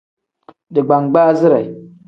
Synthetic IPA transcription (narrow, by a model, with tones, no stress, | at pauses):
dɨ˨ɡ͡ba˨ŋɡ͡ba˦zɨ˦ɾa˨i˨